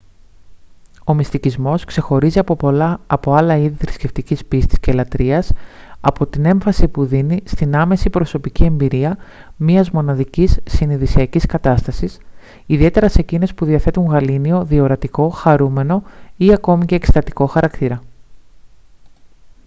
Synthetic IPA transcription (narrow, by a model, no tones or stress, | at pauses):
o̞mist̪icizmo̞skse̞xo̞ɾiziɐɐpo̞ɐlɐiðiθɾisce̞ft̪icispist̪i̥sce̞lɐt̪ɾiɐsɐpo̞t̪ine̞ɱfɐsipuðinist̪inɐme̞sipɾo̞so̞picie̞mbiɾiɐ | miɐzmo̞nɐðicisːiniðisiɐciskɐt̪ɐst̪ɐsis | iðie̞t̪e̞ɾɐse̞cine̞spuðiɐθe̞t̪uŋɣɐlinio̞ðio̞ɾɐt̪iko̞xɐɾume̞no̞iɐko̞mice̞ːkst̪ɐt̪i̥ko̞xɐɾɐkt̪iɾɐ